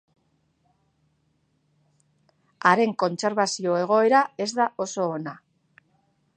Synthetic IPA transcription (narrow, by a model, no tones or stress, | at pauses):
aɾe̞ŋko̞nt͡se̞ɾβasio̞e̞ɣ̞o̞e̞ɾae̞zðaʔo̞so̞ːna